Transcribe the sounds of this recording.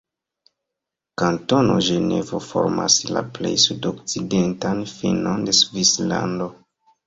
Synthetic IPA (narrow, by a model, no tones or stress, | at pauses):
kanto̞no̞ʒene̞vofo̞̰ɾma̰slaple̞jsudokt͡sidentanfinonde̞svislando̞